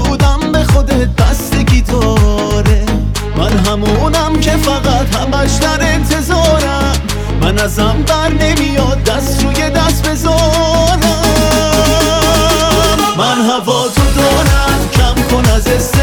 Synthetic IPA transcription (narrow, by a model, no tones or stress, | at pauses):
uːd̪æmbe̞xod̪eb̪æst̪ekit̪ʰɒːɾe | mænɦæmunæmcʰe̞fæɣæt̪hæmæʃd̪æɾe̞nt̪ʰe̞zɒːɾæ | mː | ænæzæmd̪æɾne̞mijɒd̪̚ːæst̪ɾuːjed̪æst̪be̞zɒːnæ | mænɦævɒːt̪ʰod̪ɒːɾæmcʰæmkʰo̞næzest